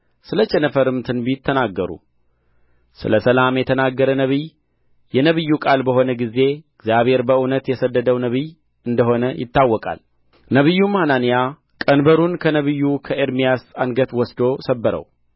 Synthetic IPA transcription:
sɨlət͡ʃːɛnəfəɾɨmt̪ʰɨnbit̪ʰːənaɡːəɾṵ | sɨ̰ləsəlamjɛt̪ʰənaɡːəɾənəβɨj | jɛnəβɨjːukʼalbəho̞nəɡize̞ɨɡzjaβhe̞ɾbəʔunət̪jɛsəd̪ːəd̪əwnəβɨj | ʔɨnd̪əɦo̞nəjɪ̰t̪ːawːɔkʼa̰l | nəβɨjːumhananija | kʼənbəɾunkʰənəβɨjːukʰəʔeɾmijasanɡət̪wɔsd̪o̞səbːəɾə̰w

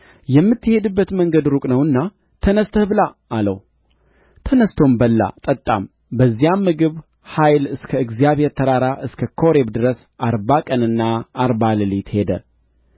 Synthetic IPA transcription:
jɛmːɨt̪ːɨhe̞d̪ɨbːət̪məŋɡəd̪ɾukʼnəwɨnːa | t̪ʰənəst̪ʰəbɨlaː | lə̰w | t̪ʰənəst̪ʰo̞mbəlːa̰t̪ʼət̪ʼːa̰m | bəzːijamːɨɡɨβ | hajlɨskʰəɨɡzijaβhe̞ɾt̪ʰəɾaɾaʔɨskʰəkʰo̞ɾe̞bd̪ɨɾəs | ʔaɾbakʼənɨnːaːɾbalɨlit̪hed̪ə̰

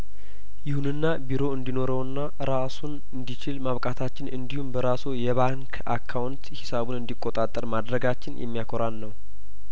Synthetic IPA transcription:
jɪhunɨnːabiɾo̞ɨnd̪ino̞ɾəwɨnːa | ɾasun | ɨnd̪it͡ʃɪlmaβkʼat̪ʰat͡ʃːɪnɨnd̪ihumbəɾasowjɛβaŋkʰ | akʰːawnt̪hɪsaβunɨnd̪ikʼːot̪ʼat̪ʼːəɾmad̪ɾəɡat͡ʃːɪnjʔɛ̰mːijakʰoɾanːəw

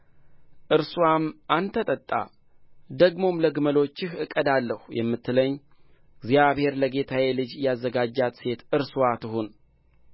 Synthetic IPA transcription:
ʔɨɾswamʔant̪ʰət̪ʼət̪ʼːa̰ | d̪əɡmo̞mləɡɨməlo̞t͡ʃːɪhɨkʼːəd̪alːəhjɛ̰mːɨt̪ʰːɨləɲː | ɪɡzjaβhe̞ɾləɡe̞t̪ʰawelɨd͡ʒjazːəɡad͡ʒːat̪se̞t̪ɨɾsuwat̪ʰɨɦun

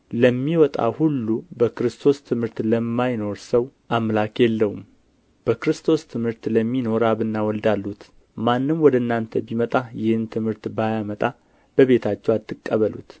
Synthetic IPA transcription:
ləmːiwɔt̪ʼa̰hulːubəkɾɨst̪ʰo̞st̪ʰɨmhɨɾt̪ləmːajno̞ɾsəwʔamlakjɛlːəwum | b̥əkɾɨst̪ʰo̞st̪ʰɨmhɨɾt̪ləmːino̞ɾaβɨnːawɔld̪alːut̪ | manːɨmwɔd̪əɨnːant̪ʰəbimət̪ʼajɪhɨnt̪ʰɨmhɨɾt̪bajamət̪ʼa | b̥əβe̞t̪ʰat͡ʃːɛwat̪ːɨkʼːəβəlṵt̪

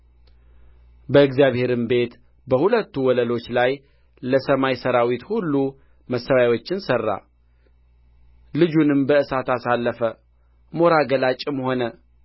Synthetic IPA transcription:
bəɨɡzjaβhe̞ɾɨmbe̞t̪ | bəhulət̪ːuwɔləlo̞t͡ʃːlaj | ləsəmajsəɾawit̪hulːu | məsːəwawo̞t͡ʃːɪnsərːa̰ | lɨd͡ʒunɨmbəɨsat̪asalːəfə | mo̞ɾaɡəlat͡ʃʼɪmho̞nə

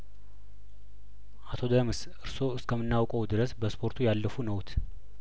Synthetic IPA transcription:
ʔat̪ʰo̞d̪əmɨs | ʔɨɾso̞ɨskʰəmːɨnːawkʼəwd̪ɨɾəsbəspʰo̞ɾt̪ʰujalːəfunəwt̪ʰ

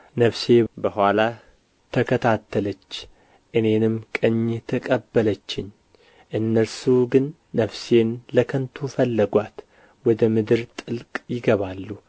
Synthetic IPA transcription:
nəfse̞bəhʷala | t̪ʰəkʰət̪ʰat̪ʰːələt͡ʃː | ʔɨne̞nɨmkʼɨɲːt̪ʰəkʼəbːələt͡ʃːɪɲ | ʔɨnːəlsuɡɨnː | əfse̞nləkʰənt̪ʰufəlːəɡʷat̪ | wɔd̪əmɨd̪ɨɾt̪ʼɨlkʼjɪɡəβalːu

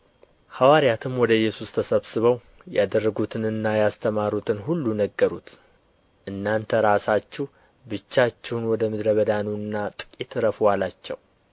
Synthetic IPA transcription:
hawaɾijat̪ʰɨmwɔd̪əɪjːɛsust̪ʰəsəβsɨβəw | jad̪ərːəɡut̪ʰɨnɨnːajast̪ʰəmaɾut̪ʰɨnɦulːunəɡːəɾut̪ʰ | ʔɨnːant̪ʰəɾasat͡ʃːɛh | bɨt͡ʃːat͡ʃːɛwnwɔd̪əmɨd̪ɾəβəd̪anuɨnːat̪ʼɨ̥kʼit̪ʰɨɾəfwalat͡ʃːɛ̰w

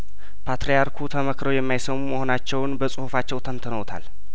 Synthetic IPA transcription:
pʰat̪ɾejaɾkʰut̪ʰəməkɾəwjɛmːajsəmuməho̞nat͡ʃːɛwnbəsʼɨhufat͡ʃːɛwt̪ʰənt̪ʰənəwt̪ʰa̰l

